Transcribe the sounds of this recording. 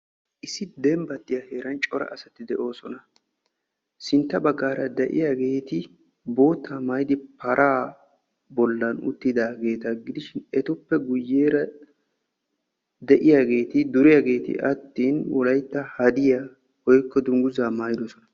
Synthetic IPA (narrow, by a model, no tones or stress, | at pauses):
ʔɪsːɪd̪ɛmbɐt̪ːɪjɐhe̞ːɾɐnt͡ʃʼɔɾɐ̰ʔɐsɐt̪ɪd̪ɛʔo̞ːsɔnɐ | sɪnt̪ːɐbɐɡːaːɾɐd̪ɛʔɪ̰jaːɡe̞ːt̪ɪ | bo̞ːt̪ːaːmɐjd̪ɪpɐɾʔaː | bɔlːɐnʊ̰t̪ːɪd̪aːɡe̞ːt̪ɐɡɪd̪ɪʃɪnɛt̪ʊpːɛɡʊjːeːɾɐ | d̪ɛʔɪjaːɡe̞ːt̪ɪd̪ʊɾɪjaːɡe̞ːt̪ɪ̰ʔɐt̪ːiːnwɔlɐjt̪ːɐhɐd̪ɪja | hɔjkːɔd̪ʊŋɡʊzaːmaːjd̪osɔnɐ